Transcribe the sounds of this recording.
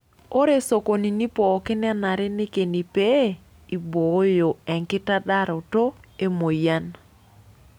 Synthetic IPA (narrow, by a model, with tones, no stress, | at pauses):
o˦ɾe˦so˨ko˨ni˨ni˦pɔ˨kɪ˦na˦na˨ɾɛ˦nɪ˦ke˨ni˨pe˦ | i˨bo˨˦jo˨ɛ˨ŋkɪ˦ta˦da˦ɾɔ˨to˦e˦mo˨ja˦n